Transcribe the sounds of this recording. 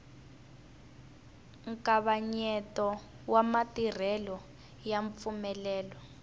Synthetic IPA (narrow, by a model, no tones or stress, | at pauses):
ŋkaβaɲɛtɔ | wamatir̤ɛlɔ | jaɱp̪fumɛlɛːlɔ